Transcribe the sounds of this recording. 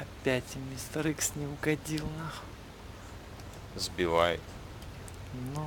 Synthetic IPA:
ɐpʲætʲɪmʲɪst̪ɐɾɨxsʲnʲɪʊɡɐdʲilˠnax | zbʲɪvajɪt̪ | no

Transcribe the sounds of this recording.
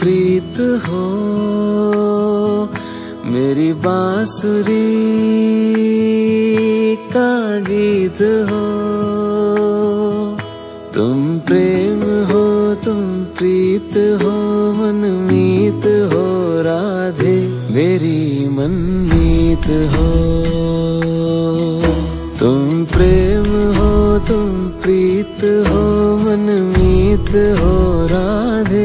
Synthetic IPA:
pɾiːt̪ɦo | meːɾibaːsʊɾi | kaːɡiːt̪ɦoː | t̪ʊ̰mpɾeːmɦot̪ʊmpɾiːt̪ɦoːmɐnmiːt̪ɦoːɾaː | d̪ʱe | beːɾimɐnmit̪ɦo | t̪ʊmpɾemɦoːt̪ʊmpɾiːt̪ɦoːmɐnmiːt̪ɦoːɾaːd̪ʱe

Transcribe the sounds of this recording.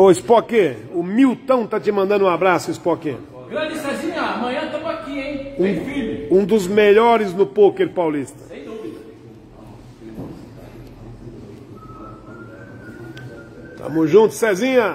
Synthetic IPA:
oɪspɔkẽʊmiwt̪ɐ̃w̃t̪at͡ʃɪmɐ̃nd̪ɐ̃nd̪ũabɾasʊɪspɔkḛ̃ | ɡɾɐ̃d͡ʒisɛzĩɲɐamɐ̃ɲɐ̃t̪ɐ̃makiẽj̃ũfilʊũd̪ʊzmeʎɔɾɪznʊpokeɾpawlist̪ɐ̥̃ | t̪ɐ̰̃mʊzʒũt̪ʊ̥sɛzĩɲɐ

